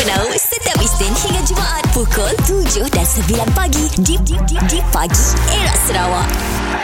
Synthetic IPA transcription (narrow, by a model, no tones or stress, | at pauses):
ənauʔsət̪iapist̪ɪnhiŋãd͡ʒumãʔat̪̚fukəlt̪ud͡ʒʊhdansəbilanpaɡididididipaɡieɾaʔsəɾawaʔ